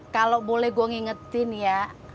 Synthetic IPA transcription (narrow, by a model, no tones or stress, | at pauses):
kalobolɛhɡuaŋiŋət̪ɪnja